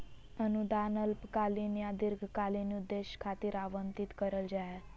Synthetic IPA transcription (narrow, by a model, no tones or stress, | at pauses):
ənud̪anəlpkalinjad̪iɾɡʱkalinud̪ːeɕkʰat̪iːɾaʋənt̪it̪kəɾəld͡ʑaja